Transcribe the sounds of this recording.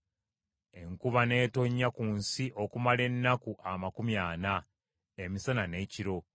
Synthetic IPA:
e̞ŋkuβane̞ːto̞ɲːakunsiʔo̞kumale̞nːakuʔamakumjaːna | emisanane̞ːciɾo̞

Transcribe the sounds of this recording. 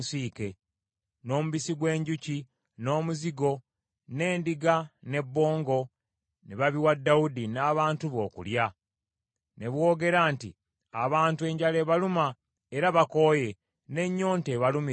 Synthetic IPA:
siːke̞ | no̞ːmuβisiɡwe̞ːɲɟuci | no̞ːmuziɡo̞ | ne̞ːndiɡane̞bːo̞ːŋɡo̞ | niβaβiwadːaudinaːβaːntuβo̞ːkṵlja | ne̞βwo̞ːɡe̞ɾaːntḭ | a̰βaːntue̞ːɲɟale̞ːβaluma | eɾaβako̞ːje̞ | ne̞ɲːo̞ːnte̞ːβalumi

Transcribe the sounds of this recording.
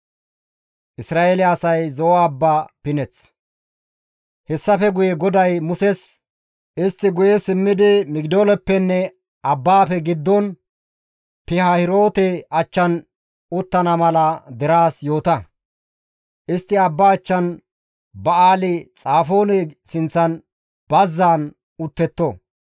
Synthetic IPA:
ʔɪsɾaːelɪɐsɐjzɔwaːbːaːpɪnɛt͡s | hɛsːɐfɛɡʊjɛɡɔd̪ɐjmʊsɛs | ʔɪst̪ːɪɡʊjɛsɪmːɪd̪ɪmɪɡd̪oːlɛpːɛnːɛ | ɐbːaːfɛɡɪd̪ːɔn | pɪhɐhɪɾo̞ːt̪ɛɐt͡ʃːɐn | ʊt̪ːɐnɐmɐlɐd̪ɛɾaːsjo̞ːt̪ɐ | ʔɪst̪ːɪɐbːaːt͡ʃːɐn | bɐaːlɪt͡sʼaːfo̞ːnɛsɪnt͡sːɐn | b̥ɐzːaːn | ʊt̪ːɛt̪ːo

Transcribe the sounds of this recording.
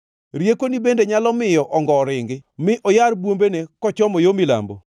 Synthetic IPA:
ɾjekonibendeɲalɔmɪjɔʔɔŋɡɔːɾɪŋɡɪmɪʔɔjaɾbwombenekɔt͡ʃɔmɔjomila̰mbo̰

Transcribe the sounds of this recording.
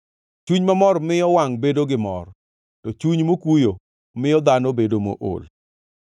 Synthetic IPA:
t͡ʃuɲmamɔrmɪjɔwaŋbedoɡɪmɔ̰r | tɔt͡ʃuɲmokwujo | mɪjɔd̪anobedomo̰ʔo̰l

